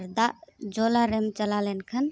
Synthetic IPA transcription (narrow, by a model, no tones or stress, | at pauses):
ɾd̪aʔd͡ʒɔlaɾɛmt͡ʃəlalɛnkʰən